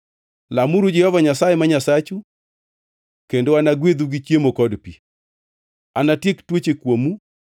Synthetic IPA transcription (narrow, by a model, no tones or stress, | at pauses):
lamuɾud͡ʒɛhɔvaɲasajɛmaɲasat͡ʃu | kendoanaɡwed̪uɡit͡ʃjemokɔdpi | anatjektwot͡ʃekwomu